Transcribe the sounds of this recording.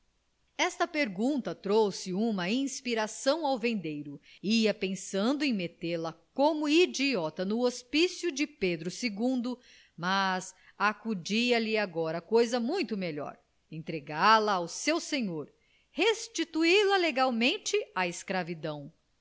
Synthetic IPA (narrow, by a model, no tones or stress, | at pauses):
ɛst̪ɐpeɾɡũt̪ɐt̪ɾowsɪũmɐĩspiɾasɐ̃w̃awvẽnd̪ejɾʊiɐpẽsɐ̃nd̪ʊẽj̃met̪eɾlɐkõmʊid͡ʒiɔt̪ɐnʊospisjud͡ʒɪped̪ɾʊseɡũnd̪ʊ | mɐz | akud͡ʒiɐlɪaɡɔɾɐkojzɐmũj̃t̪ʊmeʎɔ̰ɾ | ẽnt̪ɾeɡaɾlɐːwsewsẽɲoɾ | hest͡ʃit̪uilɐleɡawmẽnt͡ʃɪaeskɾavid̪ɐ̃w̃